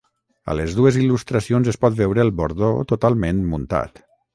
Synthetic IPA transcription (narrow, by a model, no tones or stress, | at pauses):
ə̰ləzðuezilust̪ɾəsionzəspɔt̪̚bɛwɾəːlˠboɾðot̪ut̪alˠmẽnmunt̪a̰t̪